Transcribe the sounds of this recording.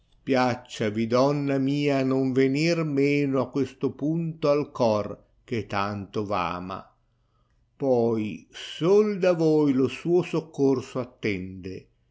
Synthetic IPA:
pjat͡ʃːavid̪ɔnːamiːanoɱvenirmeːnoakːwest̪opunt̪oalkɔr | k̟et̪ant̪ova̰ːma̰ | pɔjsold̪avojlosuːosokːorsoat̪ːɛnd̪e

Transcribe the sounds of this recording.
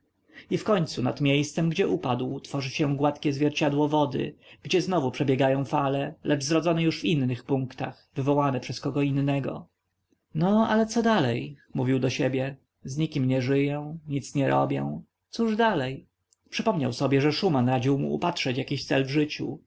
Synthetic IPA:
ifkɔɲt̪suna̰t̪mʲjejst̪sɛmɡd͡ʑɛʔupad̪wt̪fɔʐɘɕɛw̃ɡwat̪kʲɛzvʲjɛɾt͡ɕad̪wɔvɔd̪ɘ̰ɡ̥d͡ʑɛznɔvupʂɛbʲjɛɡajɔ̃w̃falɛlʔɛd͡ʐzɾɔd̪zɔnɛjuʂvinːɘxpuŋkt̪a̰xvɘvɔwanɛpʂɛskɔɡɔinːɛɡɔ̰ | nɔa̰lɛt̪sɔd̪alɛjmuvʲiwd̪ɔɕɛbʲjɛ | zɲikʲimɲɛʐɘjɔɛ̃w̃ɲit̪sɲɛɾʔɔ̰bʲjɔ̰̃w̃ | t̪suʐd̪alɛj | pʂɘpɔmɲawsɔbʲjɛʐɛʂumanɾad͡ʑiwmṵːpatʂɛt͡ɕjakʲiɕt̪sɛlvʐɘt͡ɕṵ

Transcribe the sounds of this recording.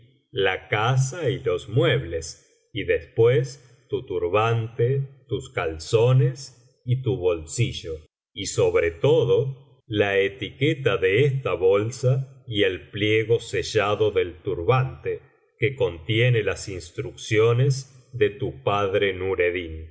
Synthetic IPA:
lakas̬ailo̞zmwe̞β̞le̞s | iðespwes | t̪ut̪uɾβant̪et̪uskalso̞nes | it̪uβo̞lsiʒo̞ | iso̞βɾet̪o̞ðo̞ | laet̪iket̪aðe̞est̪aβolsaielpljeɣo̞seʒaðo̞ðe̞lt̪uɾβant̪e | keko̞nt̪jenelasinst̪ɾuksjo̞nez | ðe̞t̪upaðɾenuɾeðin

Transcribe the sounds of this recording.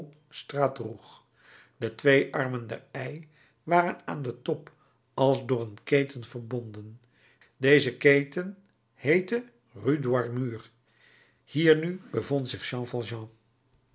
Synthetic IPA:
straːdruχ | d̥ətʋejʔɑɹməndɛ̰ɹɛj | ʋaːrəna̰ːndətɔp | ɑlˠzdʊːɹənkejtənv̥əɹbɔndən | dejzəkejtən | hejtə | rydwɑɹmyːr | hiːɹnybəvɔntsɪχʃɑ̃ːfɑlˠʒɑ̃ː

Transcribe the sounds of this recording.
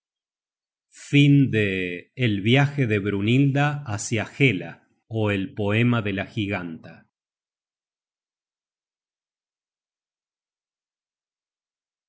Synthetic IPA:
find̪eːlβjaxe̞ðe̞βɾunild̪aːsjaxela̰ | oelpo̞e̞maðe̞laxiɣant̪a

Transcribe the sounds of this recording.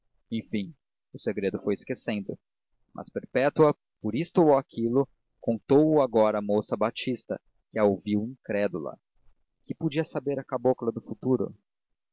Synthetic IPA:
ẽj̃fĩ | ʊseɡɾed̪ʊfojɪskesẽnd̪ʊ | mʔɐ̰speɾpɛt̪uɐ | poɾist̪ʊowakʰilʊ | kõnt̪owʊaɡɔɾɐːmosɐbat͡ʃist̪ɐ̰ | kɪɐowviwĩŋkɾɛd̪ulɐ̰ | kɪpud͡ʒiɐsabeɾɐkaboklɐd̪ʊfut̪uɾʊ̰

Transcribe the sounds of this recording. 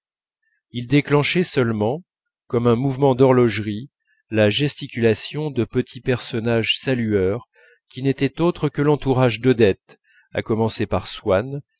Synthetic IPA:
ild̪eklɑ̃ʃɛsœlmɑ̃ | kɔmɛ̃muvmɑ̃d̪ɔʁlɔʒʁi | laʒɛst̪ikʲylasjɔ̃d̪əpət̪ʰipɛʁsɔnaʒsalyœʁ | kʲinet̪ɛt̪ot̪χəkəlɑ̃t̪uʁaʒd̪əd̪ɛt̪ | a̰kɔmɑ̃sepaʁswan

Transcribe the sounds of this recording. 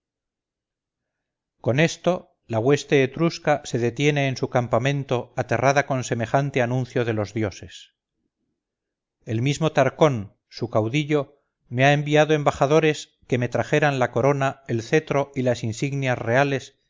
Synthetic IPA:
ko̞ne̞st̪o̞ | laɣwe̞st̪eːt̪ɾuskase̞ðe̞t̪je̞ne̞ːnsukampamẽ̞nt̪o̞at̪e̞raðako̞nse̞me̞xant̪e̞anũnθjo̞ð̞e̞lo̞zðjo̞se̞s | e̞lmizmot̪aɾko̞n | sukawðiʎo̞ | me̞aembiaðoembaχaðo̞ɾe̞s | ke̞me̞t̪ɾaxe̞ɾanlako̞ɾo̞nae̞lθe̞t̪ɾo̞ilasinsiɣnjasre̞ale̞s

